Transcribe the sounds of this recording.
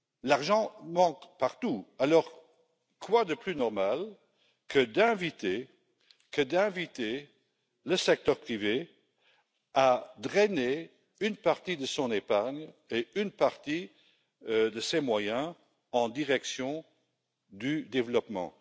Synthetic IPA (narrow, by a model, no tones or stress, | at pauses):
laʁʒɑ̃mɑ̃kpaʁt̪ualɔʁ | kʰwad̪əplynɔʁmal | kʰəd̪ɛ̃vit̪e | kəd̪ɛ̃vit̪e | ləsɛk̚t̪œʁpχive | ad̪ʁɛne | ynpaʁt̪id̪əsɔ̃nepaʁɲeynpaʁt̪i | d̪əsɛmwajɛ̃ | ɑ̃d̪iʁɛksjɔ̃ | d̪yd̪evlɔpmɑ̰̃